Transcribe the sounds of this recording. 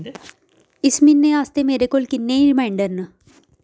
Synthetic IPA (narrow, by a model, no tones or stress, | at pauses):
ɪsminːeaːst̪emeːɾekoːlkɪnːeiɾɪmãːɪɳɖəɾnə